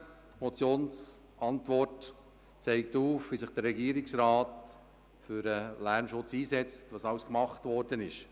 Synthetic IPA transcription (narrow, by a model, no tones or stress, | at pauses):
mɔt͡sjoːns | ɑntʋɔrt | t͡sɛɪk̚tuːfʋisɪχd̥əɾɛɡiəɾɪksɾɑːt | fʏɾəlæɾmʃʊt͡siːsɛt͡stvɑːsɑwskmɑχtʋɔɾdənɪʃ